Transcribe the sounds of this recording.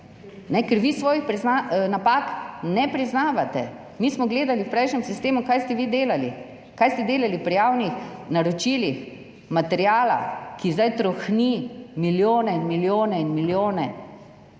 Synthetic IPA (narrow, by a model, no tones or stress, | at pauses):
nɛkɛɾʋisʋɔːjixpɾiznanapaknɛpɾiznaːʋat̪ɛ | mismɔɡleːd̪aliwpɾɛjʃnʲɛmsist̪eːmukajst̪ɛʋiːd̪eːlali | kajst̪ɛd̪eːlalipɾijaːwnixnaɾɔt͡ʃiːlix | mat̪ɛɾjaːla̰kizd̪ajt̪ɾɔxnimiljoːnɛinmiljoːnɛinmiljoːnɛ